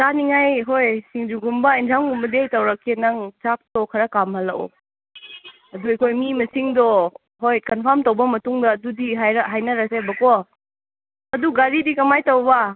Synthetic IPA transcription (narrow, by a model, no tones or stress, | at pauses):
saniŋajɦojsiŋd͡ʒuɡumbɐintʰamɡumbɐdejtɐwɾɐkʰːenɐŋt͡ʃak̚tɔkʰɐɾɐkamɐlɐɔ̰ | ɐduekʰojmimɐsiŋdɔ | ɦojkɐnpʰaɾmtɐwbɐmɐtuŋdɐːdudiɦajɾɐɦajnɐɾasebɐkɔ | ɐduɡaɾidikɐmajtɐwbɐ